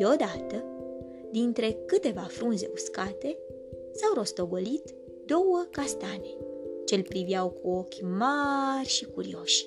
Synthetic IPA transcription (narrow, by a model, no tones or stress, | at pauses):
eo̞d̪at̪ə | d̪int̪ɾe̞kɨt̪e̞vafɾunze̞̰uskat̪e̞ | sawɾo̞st̪o̞ɡo̞lit̪ | d̪o̞wəkast̪ane̞t͡ʃe̞lʲpɾiviawkuo̞kʲmarʲʃikuɾḭo̞ʃʲ